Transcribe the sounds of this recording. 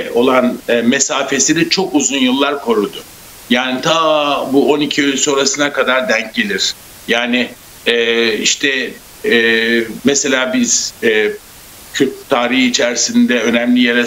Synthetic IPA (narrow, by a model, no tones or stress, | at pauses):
o̞lˠanɯːmesaːfe̞siɾit͡ʃʰo̞kuzunjɯlˠːaɾkʰo̞ɾud̪ʊ | jaːnit̪ʰabuo̞nicʰiølʲso̞ɾasɯnakʰad̪aɾd̪æɲc̚ɟe̞lʲiɾ̥ | jaːnɪː | iʃt̪ʰɛː | mɛse̞lʲaːbiz̥ɛ | cʰøt̪t̪ʰːaːɾihit͡ʃʰæɾsind̪ɛø̞næmlʲijeɾɛ